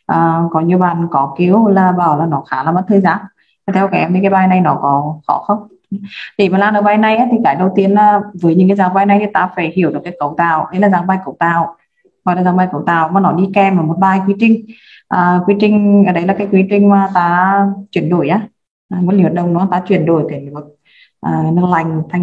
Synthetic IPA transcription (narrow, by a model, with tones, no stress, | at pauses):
ʔəː˨˩kɔ˨˦ɲi˧əɓaː˨˩nkɔ˨˦ki˨˧˦əwlaː˨˩ɓaː˧˩wlaː˨˩nɔ˨˦xaː˨˦laː˨˩ma˨˧˥t̪ʰəː˧jzaː˨˦ŋ | a˨˩t̪ʰɛ˧wka˧˩ʔɛ˧mʰi˨˩kaː˨˦jɓaː˧jna˨˩jnɔ˨˦kɔ˨˦xɔ̰˧˨˦xə˧wŋ͡m | ɗe˧˩maː˨˩laː˧˩nʔəː˧˩ɓaː˧jna˨˩jʔaː˦t̪ʰi˨˩kaː˧˩ɗə˨˩wt̪i˨˧ənlaː˧˩vəː˨˦jɲɨ˧˥ŋkaː˨˦zaː˨˦ɓaː˧jna˨˩jt̪ʰi˨˩t̪aː˧faː˧˩jhi˧˨əwɗɨ˨˩kːaː˨˦jkə̰˧˩wt̪aː˨˩˨wɗə˨˦laː˨˩zaː˨˦ŋɓaː˧jkə̰˧˩wt̪aː˨˩˨w | hɔ˨˩laː˨˩zaː˨˧˦ɓaː˧jkə˧˩wt̪aː˨˩wmaː˨˩nɔ˨˦ɗi˧kɛ˧mʔəː˧˩mo˨˩t̚ɓaː˧jkwi˨˧˦t͡ɕï˧ŋ̟ | ʔəː˨˩kwi˨˦t͡ɕï˧ŋ̟ʔəː˧˩ɗə˨˦jlaː˨˩kaː˨˦jkwi˨˦t͡ɕï˧ŋ̟maː˨˧˩t̪aː˧˦t͡ɕwi˧˩ənɗo˧˩jʔaː˨˦˨ | m˨˥tli˧˨və˨˩ɗə˧wŋ͡mnɔ˨˦a˧t̪aː˧˦t͡ɕwi˧˩ənɗo˧˩jt̪e˨˧˩m˨˩və˨˩t̚ | ʔəː˨˩nɨ˧k̚la˧˩jŋ̟t̪ʰa˧ŋ